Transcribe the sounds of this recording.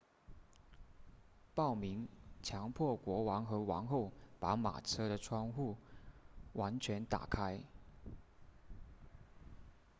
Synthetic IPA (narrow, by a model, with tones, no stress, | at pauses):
pɑ˥˩ʊmi˧˥ŋt͡ɕʰjɑ˧˥ŋpʰwɔ˥˩kwɔ˧˥wɑ˧˥ŋxɤ˧˥wɑ̰˧˥ŋxo˥˩ʊpa˧˥ma̰˨˩ʈ͡ʂʰɤ˥ɾə˨ʈ͡ʂʰwɑ˥ŋxu˥˩ | wʔa˧˥nt͡ɕʰɥɛ˧˥nt̪a̰˨˩kʰa˥ɪ